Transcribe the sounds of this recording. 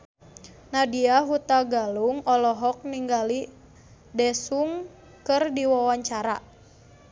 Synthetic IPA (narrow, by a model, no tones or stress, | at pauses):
nadiaɦut̪aɡaluŋɔlɔɦɔk̚niŋɡali | dɛsuŋ | kɨrdiwawaɲt͡ʃaɾa